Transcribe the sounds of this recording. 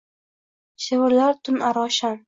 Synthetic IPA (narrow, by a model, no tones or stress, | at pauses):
ʃewɪɾlaɾt̪ʰʊnaɾɒʃan